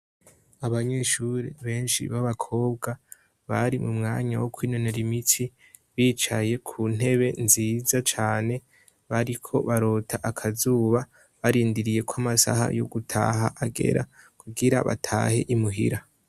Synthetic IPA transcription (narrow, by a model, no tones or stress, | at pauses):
aβaɲe̞ʃuɾeβe̞ːnʃḭβaβakʰo̞ːbɡa | βaɾimumŋaːɲawo̞kwiːno̞ne̞ɾimitʰi | βiːt͡ʃaje̞kʰuːn̥e̞βe̞nziːzat͡ʃaːne̞ | βaɾikʰo̞βaɾo̞ːtʰaʔakʰazuːβa | βaɾiːndiɾije̞kwamasa̰ɦa̰jo̞̰ɡutʰa̰ːɦaʔaɡe̞̰ɾa̰kʰuɡiɾa̰βa̰tʰa̰ːhe̞ʔimuɦḭɾa